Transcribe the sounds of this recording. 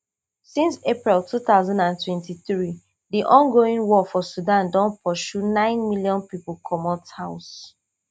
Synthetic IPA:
sĩnsepɹiltuθaʊzãndãntwɛ̃ntiθɹi | diʔɔ̃nɡoĩŋwɔfɔsudãndɔ̃npʰɔʃunãɪ̃nmiljɔ̃npipulkʰɔmɔthaʊs

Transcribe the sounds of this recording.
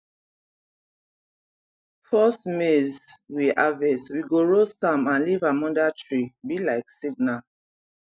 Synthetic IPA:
fɔsmezwiʔavɛswiɡoɹosãmãnlivamɔ̃ndatʰɹibilaɪksiɡna

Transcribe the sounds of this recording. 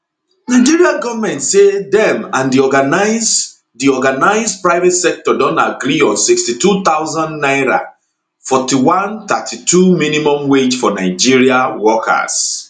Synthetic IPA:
naɪd͡ʒiɹiaɡɔvamɛ̃ntsedɛ̃mãndiɔɡanaɪz | diɔɡanaɪzpɹaɪvɛtsɛk̚tɔdɔ̃ntaɡɾiɔ̃nsikstitut̪aʊzãnnaɪɾa̰ | fɔtiwãnt̪atʰitʰuminimɔ̃mwed͡ʒfɔnaɪd͡ʒiɹiawɔkʰa̰s

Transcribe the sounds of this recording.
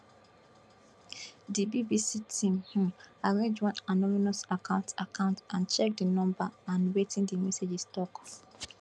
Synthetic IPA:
dibibisitʰĩmhũmaɹẽd͡ʒwɔ̃nanɔminɔsakãʊ̃ntakãʊ̃ntãnt͡ʃɛk̚dinɔ̃mbaãnwetĩndimɛsed͡ʒistɔk

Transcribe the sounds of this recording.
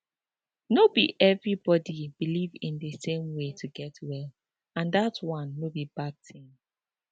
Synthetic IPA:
nobiʔɛvɹibɔdibilivĩndəsẽmwetʰuɡɛtʰwɛl | ãnðatwɔ̃nwobibad̚tʰĩm

